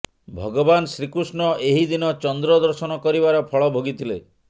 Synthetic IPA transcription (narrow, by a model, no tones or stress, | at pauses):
bʱɔɡɔbansɾikɾusnɔeɦid̪inɔt͡ʃɔnd̪ɾɔd̪ɔɾsɔnɔkɔɾiβaɾɔpʰɔɭɔbʱoɡit̪ʰile